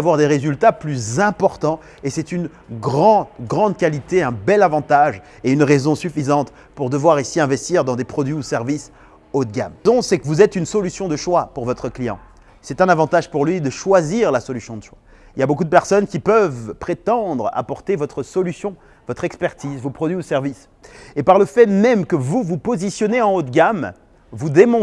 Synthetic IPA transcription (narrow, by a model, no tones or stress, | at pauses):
avwaʁd̪eʁezylt̪aplyzɛ̃pɔʁt̪ɑ̃ | esɛt̪yn | ɡʁɑ̃ɡʁɑ̃d̪kʲalit̪eɛ̃bɛlavɑ̃t̪aʒ | eynʁezɔ̃syfizɑ̃t̪ | puʁd̪əvwaʁisiɛ̃vɛst̪iʁd̪ɑ̃d̪epχɔd̪ɥiusɛʁvis | od̪̚ɡʲa̰mdɔ̃sɛkəvuzɛt̪ynsɔlysjɔ̃d̪əʃwapuʁvɔt̪χəklijɑ̰̃ | sɛt̪ɛ̃navɑ̃t̪aʒpuʁlɥid̪əʃwaziʁlasɔlysjɔ̃d̪əʃwa | iljabok̬ud̪əpɛʁsɔnkʲipœvpχet̪ɑ̃d̪ʁa̰pɔʁt̪evɔt̪χəsɔlysjɔ̃ | vɔt̪χɛkspɛʁt̪izvopχɔd̪ɥiusɛʁvis | epaʁləfɛmɛmkəvuvupɔzisjɔneɑ̃ot̪ɡʲam | vud̪emɔ̃